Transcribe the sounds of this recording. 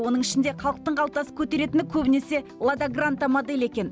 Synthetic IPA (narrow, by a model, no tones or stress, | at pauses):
wo̞nəɴɪʃɪnd̪eqʰɑlˠəq̚t̪əɴɑlˠt̪ɑsə̥kʲʰɵt̪e̞ɾe̞t̪ɪnɪkʲʰɵbɪne̞se̞lˠad̪aɡrant̪amod̪e̞lʲe̞kʲe̞n